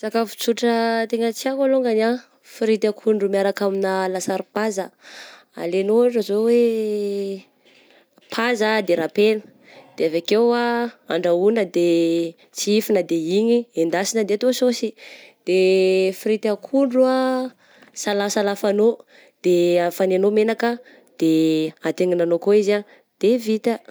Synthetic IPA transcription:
sakafu̥t͡suʈ͡ʂət̪eŋət͡siakaloŋɡana | fiɾit̪akʰuɳɖ͡ʐumiaɾakaminəlasaɾupazə | a̰lenoaʈ͡ʂəzowe | pʰazad̪eɾapenə̥ | d̪̥eavakewaaɳɖ͡ʐaunəd̪e | t͡siifinəd̪eiɲiend̪asinəd̪eat̪ososid̪̥efɾit̪akʰuɳɖ͡ʐua | salasalafano | d̪̥eafanenomenakə | d̪̥eat̪eŋinanokoiza | d̪̥evit̪ə

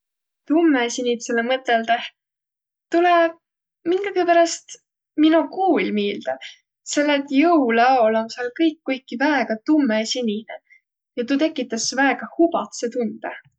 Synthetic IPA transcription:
t̪umːesinʲit̪selemɤt̪ːˑeld̪eh | t̪ule | miŋɡ̥ɑɡepæɾɑst̪ | minukuːlʲmiːld̪̥ɑ | se̞lːet̪jɤwlɑolomsɑlkɤjkːujkːivæeɡ̥ɑt̪umːesinʲine | jɑt̪ut̪e̞kːˑit̪ːˑɑsvæeɡ̥ɑhubɑt̪set̪und̪̥e

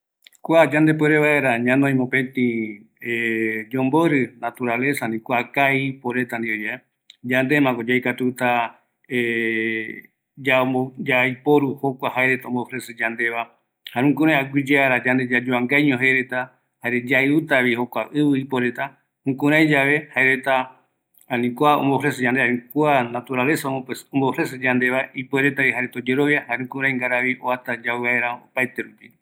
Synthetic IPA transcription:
kʷad͡ʒand̪e̞p̬weɾeβaeɾaɲãnõj̃mopẽt̪ĩ | ed͡ʒõmboɾɨnat̪uɾale̞sanĩkʷakaipoɾet̪and̪iod͡ʒae | d͡ʒand̪e̞mãkod͡ʒajkat̪ut̪a | e | d͡ʒaod͡ʒajpoɾuho̞kʷahaeɾet̪õmbofɾesɨd͡ʒand̪e̞βa | haɾũŋkũɾãj̃aɡʷid͡ʒeaɾad͡ʒand̪ed͡ʒad͡ʒoaŋɡajɲõɦeɾet̪a | haɾed͡ʒaeut̪aβihokʷa̰ʔɨβɨipoɾe̞t̪a | hũkũɾãj̃d͡ʒaʋe̞haeɾet̪a | anĩkuaõ̰mboɦɾesed͡ʒãnd̪eaɾĩkuanat̪uɾale̞saoõmbohɾes̬ed͡ʒand̪e̞βaipoeɾet̪aiɦaɾet̪od͡ʒe̞ɾo̞βjahaɾũkũɾ̃ãj̃ŋɡaɾaβioat̪ad͡ʒaaeɾao̰pajt̪e̞ɾupi

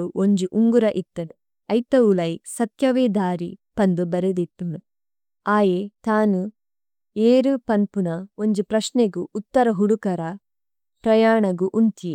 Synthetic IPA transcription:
uoɲd͡ʒuʔuŋɡuɾɐʔit̪ːɐn | ɐjt̪ɐulɐjsɐt̪jɐʋeːd̪aːɾḭpɐnd̪ubɐɾed̪it̪ːunu | aːjet̪aːnu | eːɾupɐnpunɐoɲd͡ʒupɾɐʃneɡuːt̪ːɐɾɐɦuɽukɐɾɐ | pɾɐjaːɳɐɡuʔunt̪ie

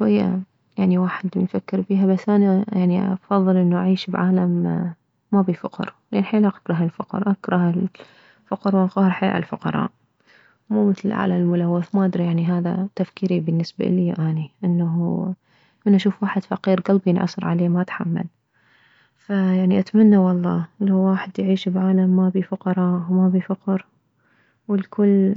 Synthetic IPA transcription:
ʃwajːa̰ | jaʕniwaːħɪd̪mnfakːɪɾfiːɦabasʔanajaʕniʔɑfɑðˤːɨlʔɪnːuʔaʕiːʃbʕaːlamː | abifʊqɾ | anħiːlaqḁkɾˤɑɦalfʊqɾˤʔakɾˤɑhal | fʊqɾˤwnqɑːhɾˤħḛːʕɪ̰lfʊqɑ̰ɾˤɑ̰ːʔ | muːmɪθlɪlʔʕa̰lalmʊlawːɪθmaʔad̪ɾijaʕniɦaːða̰t̪afkiːɾibɪnːɪsba̰ʔliːʔaːniʔɪnːaɦ | mɪnʔaʃuːfwaːħɪd̪fɑqiːɾɡalbjɪnʕɑ̰sˤɨɾˤʕa̰leːmaʔat̪ħamːa̰l | fajaʕniʔat̪manːawɑlˤːɑːlawːaːħɪd̪jʕiːʃbʕaːlamːabifʊqɑɾˤɑːʔwmabifʊqɾ | wɪlkʰʊlː

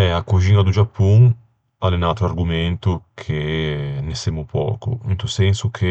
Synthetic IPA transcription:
ɛakoʒiŋɡad̪ud͡ʒapʰːuŋ | alenat̪ʊaɾɡumẽnt̪ʊkʰenesemʊpɔ̰ːkʊ̰int̪useŋsʊkʰe

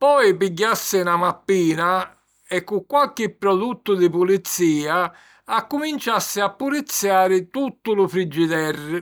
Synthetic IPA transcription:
pɔjpiɟːasːɪnamapːiːna | ɛkːʊkːwalk̟ɪpːɾɔd̪ut̪ːʊd̪ɪpulit̪sːiːaː | kːumint͡ʃasːɪapːulit̪sːjaːɾɪt̪ut̪ːʊlʊfɾid͡ʒːit̪ɛrːɪ

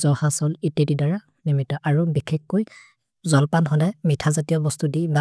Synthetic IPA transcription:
zɔhasɔlitedidaɹa | nimitɔʔaɹubikʰexːoj | zɔlpanɦɔdamitʰazatijɔbɔstudiba

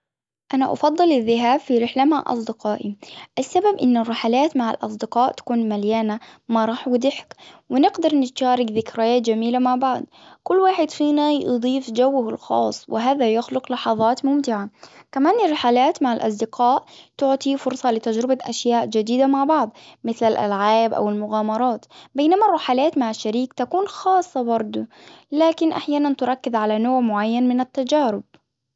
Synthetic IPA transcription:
ʔanaʔɑ̰fɑd̪ˤːɨlɪðːɪɦaːbfiɾɪħlamaʕʔɑ̰sˤd̪ɪqɑːʔiʔasːababʔɪnːɪrːɪħalaːt̪maʕa̰lʔɑ̰s̬ˤd̪ɪqɑːʔt̪ḁkuːnmaljaːnamaɾˤɑːħwɪd̪ɪħkwɪnɪɡd̪ɑɾˤnɪt̪ʃaːɾˤɪɡðɪkɾajaːt̪d͡ʒamiːlamaʕbaʕd̪̚ˤ | kʊlːwaːħɪd̪fiːnaj̰d̪ˤiːfd͡ʒawːahɪlxɑ̰ːsˤːwɪɦaːðajʊxlʊqlɑħɑðˤɑːt̪mʊmt̪ɪʕakamaːnɪrːɪħaːlaːt̪maʕalʔɑ̰sˤd̪ɪqʰaːʔt̪ʊʕt̪ˤifʊɾsˤɑlɪt̪ad͡ʒɾɪbaʔaʃjaːʔd͡ʒad̪iːd̪amaʕbɑʕd̪ˤmɪθlalʔa̰lʕaːbʔa̰wɪlmʊɣaːmɑɾˤɑːt̪bajnamarˤːʊħalaːt̪maʕaʃːaɾiːkt̪akuːnxɑːsˤːɑbɑɾˤd̪ˤʊ | laːkɪnʔaħjaːnant̪ʊɾˤɑkːɪðʕalanoːʕmʊʕajːanmɪnat̪ːad͡ʒaːɾɪb̚

